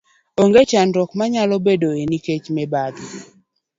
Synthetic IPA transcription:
oŋɡet͡ʃanɾɔkmaɲalɔbedoeniket͡ʃmɛbad̪

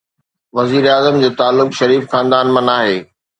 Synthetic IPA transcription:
ʋɐziːɾeaːzəmd͡ʑeːt̪aːlːʊkʃɐɾiːfxãːnd̪aːnmɐ̃naːɦeː

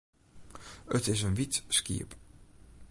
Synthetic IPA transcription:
ətɪsənʋitskḭəp

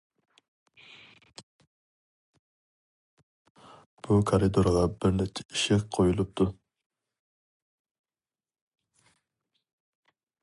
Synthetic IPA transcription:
b̥ukʰaɾid̪oɾʁɑbɪɾnɛkt͡ʃʰɛ̥iʃɪqqʰojulˠup̚t̪ʰu

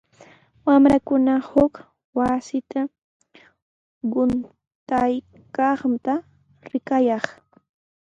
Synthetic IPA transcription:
wamɾakʊnahʊk | wasɪt̪a | ɢʊn | t̪aj | kɑχt̪a | ɾɪkajɑχ

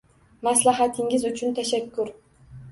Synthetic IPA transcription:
maslaɦat̪ʰɪŋʲɪzʊt͡ʃʰʊnt̪ʰaʃakːʊɾ

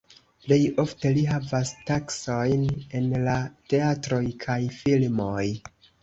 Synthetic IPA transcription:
ple̞jo̞fte̞liɦavastakso̞jne̞nlate̞atɾo̞jkʰajfilmo̞j

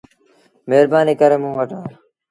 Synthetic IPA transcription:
meːɾbaːniːkəɾeːmũːʋəʈaː

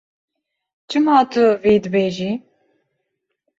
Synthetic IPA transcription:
t͡ʃʰɨmɑːt̪ʰʊviːd̪ɨbeːʒiː

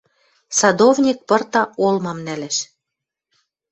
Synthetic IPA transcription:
sɑd̪ovnʲik̚pɤ̆rt̪ɑolmɑmnælɘʃ

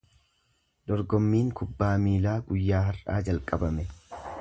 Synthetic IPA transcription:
d̪̥ɔɾɡɔmːiːŋkʊbːaːmiːlaːɡʊjːaːɦɐra̰ːd͡ʒɐlkʼɐbɐmɛ

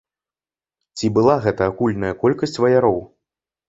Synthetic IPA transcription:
t͡sʲibɨlˠaɣɛt̪ɐːkulʲnɐjɐkɔlʲkɐsʲt͡sʲvɐjaɾɔw

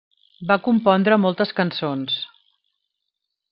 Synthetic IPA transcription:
bakumpɔnd̪ɾəmɔlˠt̪əskənsons

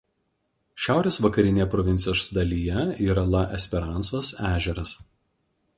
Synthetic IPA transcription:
ʃʲæˑʊɾʲeːsʋɐkɐɾʲɪnʲeːjɛpɾɔʋʲɪnt̪sʲɪjoːsd̪ɐlʲiːjɛiːɾɐlˠɐʔɛsʲpʲɛɾɑˑnsoːsæːʒʲɛɾɐs

